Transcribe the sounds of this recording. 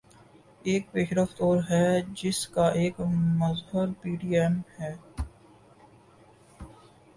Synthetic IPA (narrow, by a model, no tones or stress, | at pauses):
eːk̚peːʃɾəft̪oːɾɦɛd͡ʒɪskaʔeːkmɐzɦəɾpiːɖiːɛmhɛː